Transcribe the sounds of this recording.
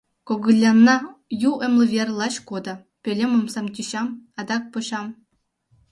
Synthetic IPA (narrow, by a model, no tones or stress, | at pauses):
koɡɯlʲːɑnːɑjuʔĕmlʲˠɤ̆vʲerʲlˠɑɕkod̪ɤ̆ | pʲelʲemɤ̆msɑmt̪ʲiɕɑmɑd̪ɑk̚pɤ̆ɕɑm